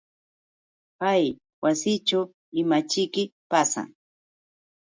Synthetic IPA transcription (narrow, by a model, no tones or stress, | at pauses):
kaj | wasɪt͡ʃa | ɪmat͡ʃɪkɪpasa̰ŋ